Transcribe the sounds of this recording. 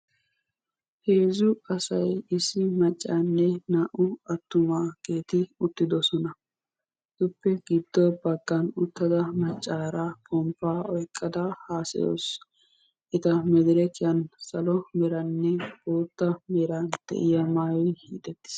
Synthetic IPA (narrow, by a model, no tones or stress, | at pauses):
he̞ːzʊɐsɐjɪsːɪmɐt͡ʃʼːanːɛnaːʔʊɐt̪ːʊmaːɡ̥e̞ːt̪ɪʊt̪ːɪd̪ɔsɔnɐ | d̪ʊpːɛɡɪd̪ːɔbɐɡːɐnʊt̪ːɐd̪ɐmɐt͡ʃʼːaːɾapʰʼɔmpːaːɔjkʼːɐd̪ɐhaːsɪ̰jo̰ːs | ʔɪt̪ɐmɛd̪ɪɾɛkɪjɐnsɐlɔmɛɾɐnːɛboːt̪ːɐmɛɾɐnd̪̥ɛ̰ʔɪjɐmaːwɪhiːt̪ʼɛt̪ːɪ̥s